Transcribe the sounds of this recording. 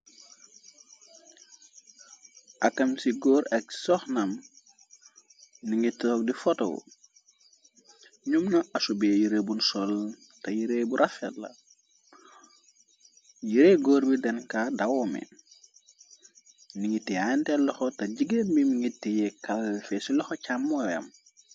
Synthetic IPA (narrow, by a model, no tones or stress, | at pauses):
ʔɐkːɐmsiɡɔːɾɐk̚sɔxnɐm | niŋɡitːɔk̚difɔto̰wṵ | ɲumnɐɐsubeːjiɾebunsɔl | tɐjiɾebuɾʔɐfɛtlɐ̰ | jiɾeɡɔːɾbidɛnkaːdɐwɔːmɛ̰ | niŋɡitːiantɛlːɔxɔtɐɟiɡenbimiŋitːijɛkɐlfɛsilɔxɔcamːɔjɐ̰m